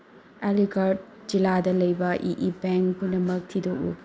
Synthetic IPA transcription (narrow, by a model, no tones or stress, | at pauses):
eliɡaɾt̚ | d͡ʒiladɐlɐjbɐʔiʔibɛŋkpunɐmɐk̚tʰidoʔṵ